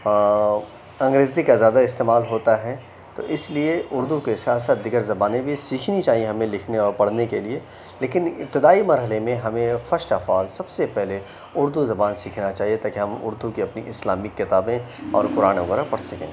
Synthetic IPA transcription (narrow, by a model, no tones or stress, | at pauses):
ɐ̃ŋɡɾeːzikazjaːd̪aɪst̪eːmaːlɦoːt̪aɦɛ | t̪o̰ʔɪslieʔʊɾd̪ukesaːt̪ʰsaːt̪̚d̪ɪɡəɾzɐbaːnẽbʱisiːkʰnit͡ʃaːɦiẽɦɐmẽlɪkʰneɔːɾpɐɽ̤nekelie | leːkɪnɪ̰p̚t̪ɪd̪aːimɐɾɦəlemẽɦɐmẽfɐɾsʈafaːlsɐbsepɛɦle | ʊɾd̪uzɐbaːnsiːkʰnat͡ʃaːɦiet̪aːkiɦɐmʊ̰ɾd̪ukiɐpniʔɪslaːmɪkːɪt̪aːbẽ | ɔ̰ːɾkʊɾaːnʋɐɣəɾapɐɽsɐkḛ̃ː